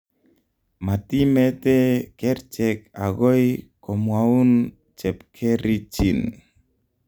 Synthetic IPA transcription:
ma˨ti˦mɛ˦tɛ˦kɛ˦rt͡ʃɛk̚a˨ɡo˦jkɔ˨mwau˦n | t͡ʃɛ˨pkʰɛ˦ɾi˦t͡ʃi˨n

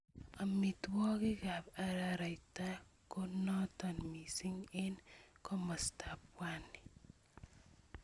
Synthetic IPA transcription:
a˨mi˨twɔ˦kɪ˦ka˨pa˦ɾaɾa˨jta˦konɔ˦tɔ˨nmi˨si˦ŋɪ˦nkɔ˦ma˨sta˨pwa˦ni̥

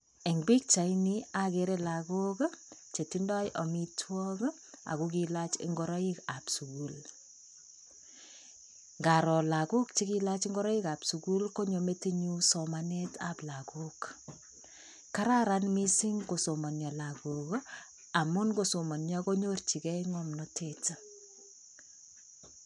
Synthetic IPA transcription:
e˨ŋbi˦k̚t͡ʃa˨ini˦akeɾe˦la˨ko˦kt͡ʃe˨ti˦ndɔ˦jʔɔ˨mi˦twɔk | a̰˨ku˦k̬ilat͡ʃɪ̰˦ŋɡɔ˦ɾɔ˦ika˨psu˨ku˨l | ŋɡa˨ɾɔ˨la˨ku˦k̚t͡ʃe˦kila˦t͡ʃiŋɡɔ˦ɾɔ˦i˦ka˨psu˨ku˦lko˦ɲo˨me˦te˦ɲu˦somaneta˨pla˨kuk | kːa˦ɾaɾanmi˦si˦ŋko˨soma˨nja˨la˨ko˨k | a˨mu˦nkoso˨ma˨nja˦ko˦ɲo˦rt͡ʃi˨kɛ˦iŋɔmnɔ˦teta

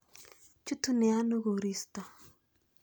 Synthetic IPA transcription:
t͡ʃu˦t̪u˦ne˨a˦nu˦ɣu˨ɾi˨st̪a˨

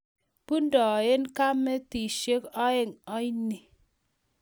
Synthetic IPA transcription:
pu˦n˦dɔ˨je˦nka˦me˦ti˨ʃe˦kɔ˦e˦ŋɔ˦i˦ni˨

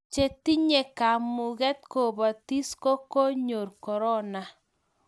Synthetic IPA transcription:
t͡ʃe˨ti˦ɲe˨ka˨mu˨ɣɛ˦t̪ko˨ba˨ti˦sko˦ko˦ɲo˨ɾkɔ˨ɾɔ˦na˨

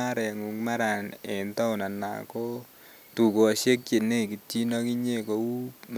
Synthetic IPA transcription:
a˦ɾɛ˨ŋu˨ŋma˦ɾa˨nɛ˨ntɔ˦ʊ˨na˨na̰˨ko˦ | tu˨ko˨a˨se˦k̚t͡ʃe˨ne˦˨ki˨tːi˦nɔ˦ki˦ɲe˦˨ko˨u˦m

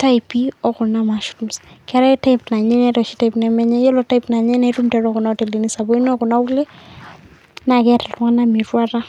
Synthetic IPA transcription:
ta˦jpi˦ɔ˦kʊ˨na˦ma˨ʃuɾu˨mskɛ˨ɾɛ˦ta˦ipna˨ɲɛ˦nɛ˦tɔ˨ʃi˦ta˦ipnɛ˨mɛ˦ɲɛ˦jɔ˦lɔ˨ta˦i˦pna˨ɲɛ˦nɛ˦ɾu˦mtɛ˨˦ɾɔ˦kʊ˨na˦te˨li˨ni˦sa˨bo˦i˦nɔ˦kʊ˨na˦wu˦lɛ˦ | na˨kɛ˦ta˨lwŋa˦na˦mi˨ɾwa˦ɾa˦

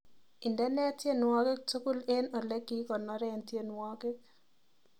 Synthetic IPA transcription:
i˨ndɛ˦nɛ˦tje˦nwɔ˦ke˦k̚to˦ku˦le˦nɔ˨lɛ˦ki˦kɔ˨nɔ˨˦ɾɛ˦ntje˦nwɔ˦ɡe˦k̚

